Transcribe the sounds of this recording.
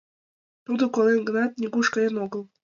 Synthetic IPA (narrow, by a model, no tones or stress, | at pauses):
t̪ud̪okolenɡə̆nɑt̪̚nʲiɡuʃkɑenoɣəlˠ